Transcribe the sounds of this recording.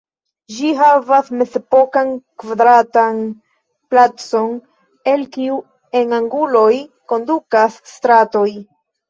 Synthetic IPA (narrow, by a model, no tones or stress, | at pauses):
d͡ʒiɦavasme̞zepo̞kankvad̪ɾatan | plat͡so̞n | e̞lkiu | e̞naŋɡulo̞jko̞ndukasːtɾato̞j